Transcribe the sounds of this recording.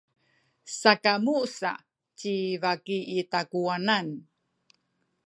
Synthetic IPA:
sakamusa̰ | t͡ɕivakiitakuanan

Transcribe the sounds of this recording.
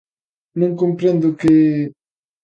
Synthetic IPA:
nʊŋkompɾend̪ʊkɪ

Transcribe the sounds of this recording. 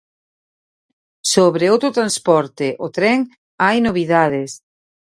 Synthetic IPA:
soβɾeowt̪ɾot̪ɾanspɔɾt̪ɪʔot̪ɾɛŋ | ajnoβ̞iðaðes

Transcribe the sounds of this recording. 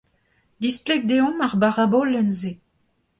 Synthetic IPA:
d̪isplɛɡ̚d̪eɔ̃maʁbaʁabɔlːɛnze

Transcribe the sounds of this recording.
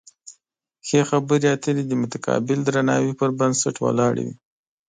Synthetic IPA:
xexabəɾeat̪əlid̪əmʊt̪akɑ̰bɪld̪ɾanɑwipəɾbansaʈwa̰lɑɽḭwḭ

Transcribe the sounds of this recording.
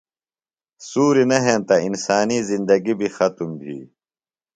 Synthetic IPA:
suːɾinɐɦẽːnt̪ɐinsaːnizind̪ɐɡibʱixɐt̪umbʱḭː

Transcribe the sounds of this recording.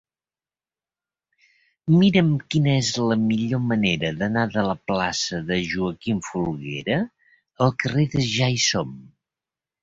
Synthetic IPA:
miɾəmkinəezləmiʎoməneɾəðənaðələplasəðəʒuəkiɱfulˠɣḛɾə | əlˠkəreðəʒajsom

